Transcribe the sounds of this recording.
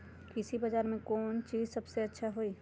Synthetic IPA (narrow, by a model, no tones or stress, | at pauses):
kɪsibɐd͡ʒaːɾmẽkɔːnt͡ʃiːzsɐbseɐtːʃʰaɦoːiː